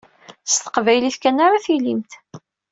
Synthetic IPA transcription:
əst̪ə̥qvæjliθkænːaɾaθilimt̪

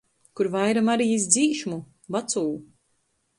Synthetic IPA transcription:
kuɾvajɾamaɾijis̬d̪ziːʃmu | bat̪suː

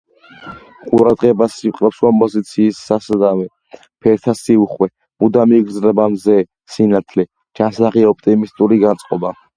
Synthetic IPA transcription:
qʼuɾad̪ʁɛbasiqʼɾɛpskʼɔmpʼɔzit̪sʰiːsːasad̪awɛ | pʰɛɾt̪ʰasiuχwɛ | mud̪amiɡɾzɾɛbamzɛ | sinat̪ʰlɛ̥ | d͡ʒasaʁiɔp̚ʰt̪ʼimist̪ʼuɾiɡant̪sʼqʼɔba

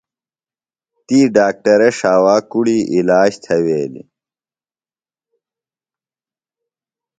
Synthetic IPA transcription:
t̪iːɖaːk̚ʈɐɾeʂaːwaːkuɽiʔilaːɕt̪ʰɐweːlḭ

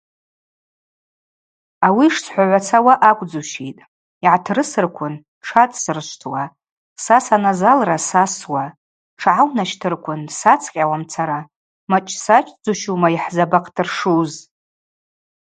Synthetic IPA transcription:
awiʂsʰħʷaʕʷat͡sʰawaʔakʷʼd͡zuʃitʼ | iʕatʰrɨsɨrkʷʰʊn | ʂʰatʼsɨrʃʷtʰwa | sasanazalrasaswa | ʈ͡ʂʰʕawnaʃtʰɨrkʷʰʊnsat͡sʰqʲʼawamt͡sʰaɾa | mat͡ʃʼsat͡ʃʼd͡zuʃumaiħzabaqʰʼtʰɨrʂuz

